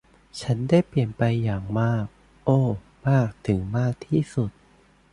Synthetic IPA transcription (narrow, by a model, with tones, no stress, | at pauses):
t͡ɕʰa˦˥ndaː˥˩jpli˨˩ənpa˧jːaː˨˩ŋmaː˥˩k̚ | ʔoː˧˩ | maː˥˩k̚t̪ʰɯ˩˦ŋmaː˥˩k̚t̪ʰiː˥˩su˨˩t̪̚